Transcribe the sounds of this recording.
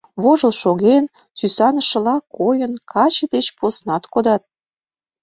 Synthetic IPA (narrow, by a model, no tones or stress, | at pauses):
βoʒə̆lʃoɣen | sysɑnə̆ʃə̆lɑkːojənkʰɑt͡ɕə̆d̪et͡ɕposnɑt̪kod̪ɑt̪̚